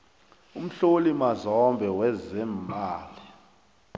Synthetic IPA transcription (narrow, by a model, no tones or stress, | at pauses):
um̩ɬolimazɔmbʱɛwɛzɛmaːli